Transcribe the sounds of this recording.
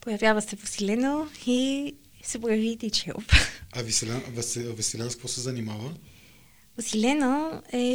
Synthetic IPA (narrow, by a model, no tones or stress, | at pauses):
pojɐvjavəsɛposilɛnoi | sɛpojɐvit̪it͡ʃɛo̰pɐvisɛlɛnvɛsvɛsɛlɛnsk̪vosɛzɐnimavə | posilɛnoɛ